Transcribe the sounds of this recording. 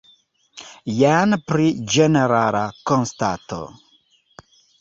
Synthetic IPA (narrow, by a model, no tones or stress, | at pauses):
janpɾid͡ʒeneɾaɾakonsta̰to̰